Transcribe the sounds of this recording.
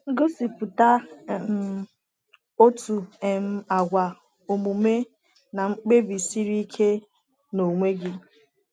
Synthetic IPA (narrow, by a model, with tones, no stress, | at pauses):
ŋ̩˦ɡo˦si˨pʊ˨ta˦˨m˦ | o˦tu˨e˨m̩˦a˨ɡʷa˨ | o˨mu˨me˦ | na˨ŋ͡m̩˦k͡pe˦bi˨si˦ɾi˦kʰe˦ | no˨ŋʷe˦ɡɪ˦